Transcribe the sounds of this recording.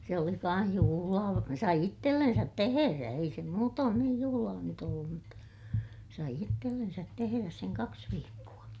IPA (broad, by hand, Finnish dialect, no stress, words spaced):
se oli kɑ̃ːh juhulɑː sɑi itːelːensæt teheræ ei se muːtoːn niːj juhulɑː nyt olːum mutːɑ sɑi itːelːensæt teheræs seŋ kɑks ʋiːkːuɑ